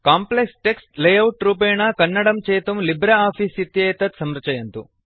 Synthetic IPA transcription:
kaːmpleksʈeksʈlejɐwʈɾuːpeːɳɐkɐnːɐɽɐmt͡ʃeːt̪umlibɾɐaːpʰiːsit̪jɐːt̪ɐt̪sɐmɾɐt͡ʃɐjɐnt̪ṵ

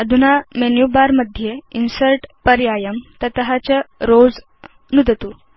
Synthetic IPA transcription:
əd̪ʱunamenjubaɾməd̪ʱːjeinsəlʈpəɾjajəmt̪ət̪ɦat͡ɕəɾod͡z | nud̪ət̪u

